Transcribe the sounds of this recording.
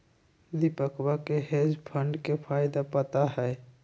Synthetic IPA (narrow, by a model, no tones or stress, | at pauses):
d̪ipəkwakeɦeːd͡ʒpʰə̃ɳɖkepʰaːɪd̪apət̪aɦɛː